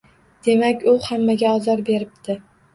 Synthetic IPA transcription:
d̪̥e̞makʲʊhamːaɡʲaɒzɒɾbe̞ɾɪp̚t̪ʰɪ

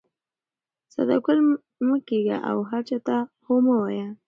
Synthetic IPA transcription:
sa̰d̪a̰kʊl | məkeɡa̰ʔa̰wɦaɾt͡ʃat̪ahoməwaja

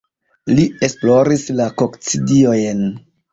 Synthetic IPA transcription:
lie̞splo̞ɾislakokt͡sidio̞jn

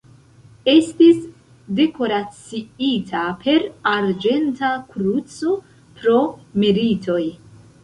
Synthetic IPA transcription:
e̞stis | de̞ko̞ɾat͡siitʰapʰe̞ɾaɾd͡ʒe̞ntakɾut͡so̞ | pɾo̞miɾitʰo̞j

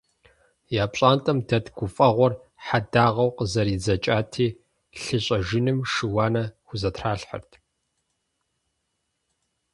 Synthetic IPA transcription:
jaːpɕʼaːntʼɐmdɐtɡ̥ʷʊfʼɐʁʷɔr | ħadaːʁɐwqəzɐɾiːzɐt͡ʃʼaːtʰiː | ɬɨɕʼɐʒɪnɨmʂɨwɑːnɐxʷʊzɐtʰraːɬħɐ̰rtʰ

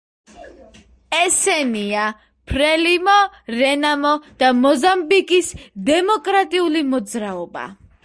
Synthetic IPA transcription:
ɛsɛnia | pʰɾɛlimɔɾɛnamɔd̪̥amɔzambikʼisd̪ɛmɔkʼɾat̪ʼiulimɔd̪zɾaɔba̰

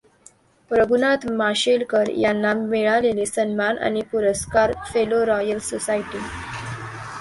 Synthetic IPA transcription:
pɾəɡʱunat̪maɕelkəɾjanːameɭaleliːsənmana̰ñipuɾəskaɾfeloɾɔjəlsosaiʈiː

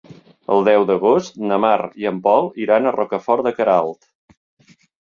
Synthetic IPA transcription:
ə̰lˠd̪ɛwd̪əɣost̪nəmaɾiəmpɔlˠiɾanərʔɔkəfɔɾdəkəɾalˠt̪

